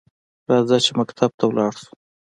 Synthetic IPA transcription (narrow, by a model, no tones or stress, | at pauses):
ɾɑzɑt͡ʃemakt̪ʰab̚t̪ʰawlɑɽsu̥